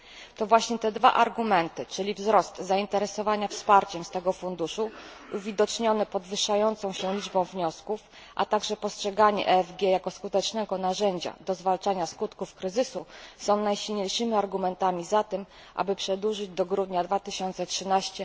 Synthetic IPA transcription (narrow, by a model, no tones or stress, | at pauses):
t̪ɔvwaɕɲɛt̪ɛd̪va̰ʔaɾɡumɛnt̪ɘt͡ʂɘlʲivzɾɔst̪zaint̪ɛɾɛsɔvaɲafspaɾt͡ɕɛmst̪ɛɡɔfund̪uʂu | uvʲid̪ɔt͡ʂɲɔnɛpɔd̪vɘʂajɔnt̪sɔ̃w̃ɕɛlʲid͡ʐbɔ̃w̃vɲɔskuf | ʔa̰t̪aɡʐɛpɔstʂɛɡaɲɛ̰ʔɛvɡʲjɛjakɔskut̪ɛt͡ʂnɛɡɔnaʐɛɲd͡ʑa̰d̪ɔzvalt͡ʂaɲaskut̪kufkɾɘzɘsusɔ̃w̃najɕilɲejʂɘmʲiaɾɡumɛnt̪amʲizat̪ɘm | ʔa̰bɘpʂɛd̪wuʐɘd͡ʑd̪ɔɡɾud̪ɲad̪vat̪ɘɕɔnt̪sɛtʂɘnaɕt͡ɕɛ